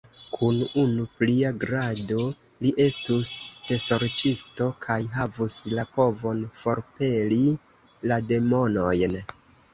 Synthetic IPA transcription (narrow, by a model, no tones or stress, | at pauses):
kʰununupliaɡɾado̞ | liʔe̞stusd̥e̞so̞ɾt͡ʃisto̞kʰajɦavuslapo̞vo̞nfo̞ɾpe̞li | lade̞mo̞no̞jn